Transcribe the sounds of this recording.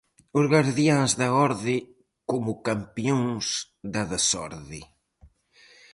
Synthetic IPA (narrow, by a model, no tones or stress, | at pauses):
ʊzɣaɾðjãŋzðɐɔɾðɪ | komʊkampioŋs | ðɐðɐsɔ̰ɾðɪ